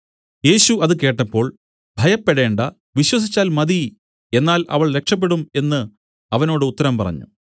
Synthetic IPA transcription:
je̞ːɕuɐðɨke̞ːʈːɐpːo̞ːɭ | bʱɐjɐpːeɽe̞ːɳɖɐ | ʋiɕwɐs̬it͡ɕːaːlmɐd̪i | e̞nːaːlɐ̰ʋɐɭɾe̞kʂɐp̬ːe̞ɽume̞nːɨ | ɐʋɐno̞ːɽɨut̪ːɐɾɐmpɐrɐ̰ɲːṵ

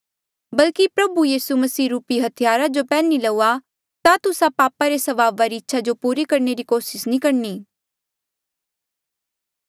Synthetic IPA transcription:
bɐlkipɾɐbujiːsumɐsiːɾuːpiɦɐt̪ʰɪjaːɾad͡ʒopɛːnilɐua | t̪at̪ʊsãpaːpaɾesɐʋaːʋːaɾiɪtːʃʰad͡ʒopuːɾikɐɾneɾikoːsɪsnĩːkɐɾniː

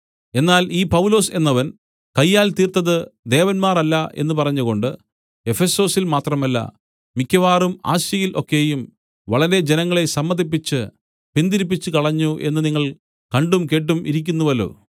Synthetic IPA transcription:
e̞nːaːliːpɐwlo̞ːse̞nːɐʋɐn | kɐjːaːlt̪iːrt̪ɐðɨd̪e̞ːʋɐnmaːrɐlːɐʔe̞̰nːɨpɐrɐɲːuɣo̞ɳɖɨ | e̞fe̞so̞ːsilmaːt̪rɐmɐlːɐ̰ | mikʲːɐʋaːruma̰ːɕjɐjilʔo̞kːe̞jum | ʋɐɭɐɾe̞d͡ʑenɐŋːɐɭe̞sɐmːɐd̪ip̬ːit͡ɕːɨ | pind̪iɾip̬ːit͡ɕːɨkɐɭɐɲːuʔe̞̰nːɨniŋːɐɭ | kɐɳɖumke̞ːʈ̬ːumʔiɾik̬ʲːunːuʋolo̰ː

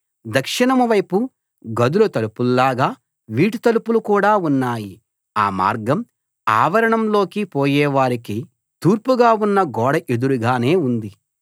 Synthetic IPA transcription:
d̪ɐkʂiɳɐmuʋɐjpu | ɡɐd̪ulɐt̪ɐlupululaːɡaː | ʋiːʈut̪ɐlupulukuːɽaːunːaːji | aːma̰ːɾɡɐm | a̰ːʋɐɾɐɳɐmlo̞ːkipoːjɛːʋaːɾiki | t̪uːɾpuɡaːunːɐɡɔːɽɐʔed̪uɾuɡaːne̞ːund̪i

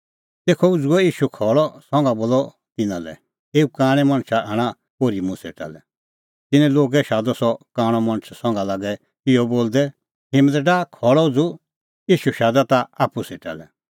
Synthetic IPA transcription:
t̪eːkʰɔud͡zuɔiːʃukʰɔɭɔsɔ̃ŋɡaboːlɔ | t̪ɪnã̰lɛ̰ | eːukãːɽ̃ɛmɐ̃ñt͡ʃʰaʔɛːɽ̃ã | koːɾimũsḛʈa̰lɛ | t̪ɪnɛ̃loːɡɛʃaːd̪ɔsɔkaːɽ̃ɔmɐ̃ñt͡ʃʰsɔ̃ŋɡalaːɡɛ | t̪ɪjɔboːld̪ɛ | ɦɪmət̪ɖakʰɔɭɔud͡zu | iːʃuʃaːd̪at̪aapuseʈa̰lɛ

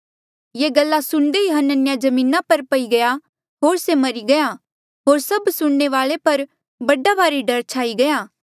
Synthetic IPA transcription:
jeːɡɐlːasʊɳ̃d̪ejɦənːənɪjad͡ʒɐmĩːnapɐɾpɐiɡɐja | ɦoːɾsemɐɾiɡɐja | ɦoːɾsɐbsʊɳɳeʋaːɭepɐɾ | bɐɖabaːɾiɖɐɾt͡ʃʰaːiɡɐjaː

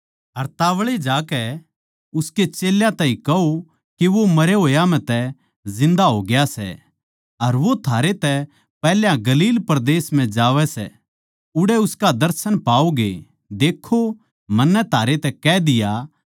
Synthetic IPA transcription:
ɦɐɾt̪aːʋɭed͡ʒaːkɛ | ʊsket͡ʃeːljãt̪ãːĩkɐo | kiʋomɐɾeɦoːjam̤ɛ̃t̪ɛ | zɪ̃nd̪aɦoɡɪjasɛ̰ | ɐɾʋot̪ʰaːɾet̪ɛ | pɛːljãɡɐliːlpɐɾd̪eːsm̤ɛ̃d͡ʒaːʋɛsɛ̰ | ʊɽɛʊskad̪ɐɾsənpaːoɡḛ | d̪eːkʰo | mɐnːɛt̪ʰaːɾet̪ɛkɛd̪ɪja

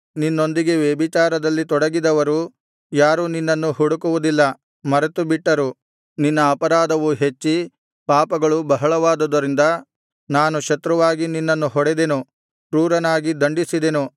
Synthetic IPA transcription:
ninːo̞nd̪iɡe̞ʋebit͡ʃaːɾɐd̪ɐlːit̪ɔɽɐɡid̪ɐʋɐɾu | jaːɾuninːɐnːuɦuɽukuʋud̪ilːɐ | mɐɾɐt̪ubiʈːɐɾu | ninːɐːpɐɾaːd̪ɐʋuɦe̞t͡ʃːi | paːpɐɡɐɭubɐɦɐɭɐʋaːd̪ud̪ɐɾind̪ɐ | naːnuʃɐt̪ɾɐʋaːɡininːɐnːuɦɔɽed̪enu | pɾuːɾɐnaːɡid̪ɐɳɖisid̪e̞nu

